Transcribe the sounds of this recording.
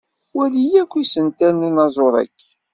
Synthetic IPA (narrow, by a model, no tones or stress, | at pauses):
wælijækʷːisənt̪ænunɑzˤoɾˤæ̰kː